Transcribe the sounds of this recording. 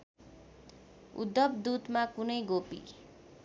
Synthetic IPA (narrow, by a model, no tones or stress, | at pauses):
ṵd̪ːʌbd̪ud̪makunʌjɡopḭ